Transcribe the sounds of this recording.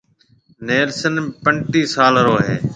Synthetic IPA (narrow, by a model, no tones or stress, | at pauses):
neːlsənpəɳʈiːsaːlɾoːɦeː